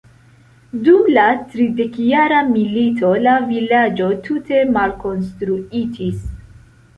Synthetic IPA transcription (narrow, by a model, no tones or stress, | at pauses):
dumlatɾide̞kjaɾamilitʰo̞lavilad͡ʒo̞tʰute̞malko̞nstɾuid͡ʒis